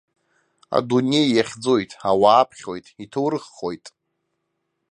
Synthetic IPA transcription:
a̰dune̞jːaχʲd͡zo̞jtʼawaːpʰχʲojtʼitʰowɾɨχːo̞jtʼ

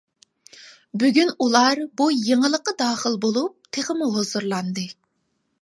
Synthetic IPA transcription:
byɡʲynulˠɑɾbujiŋəlˠəqːəd̪ɑːχəlˠbolˠup̚t̪ʰeʁəmuɦozuɾlˠɑnd̪ɨ

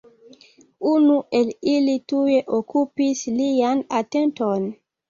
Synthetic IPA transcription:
unuʔe̞lilitueʔokupislianate̞nton

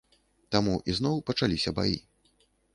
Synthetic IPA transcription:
t̪amuʔizn̪ɔwpɐt͡ʂalʲisʲɐba̰jḭ

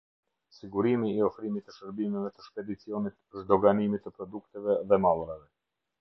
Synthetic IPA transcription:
siɡuɾimiːɔfɾimit̪ːəʃəɾbimɛvɛt̪əʃpɛd̪it͡siɔnit̪əʃd̪ɔɡanimit̪ːəpɾɔd̪ukt̪ɛvɛðɛmalˠɾavɛ

